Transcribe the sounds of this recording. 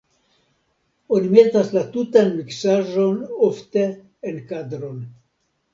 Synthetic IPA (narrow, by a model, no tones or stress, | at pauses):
onimentaslatutanmiksaʒo̞nofte̞ | enkadɾo̞n